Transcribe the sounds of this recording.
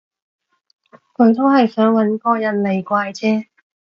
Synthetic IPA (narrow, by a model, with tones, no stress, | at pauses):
kɔ˨˥˩nt̪ʰo˥whɐ˨jsœː˨˥ŋwɐ˨˥nkɔː˧jɐ˨˩nle˨˩jkʷaː˧jt͡sʰɛː˥